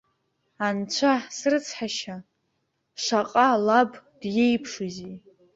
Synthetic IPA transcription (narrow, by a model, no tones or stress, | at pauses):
ant͡ɕʷʰasrɨt͡sʰħaʃa | ʂaqʼalabd̥jejpʰʂɨzi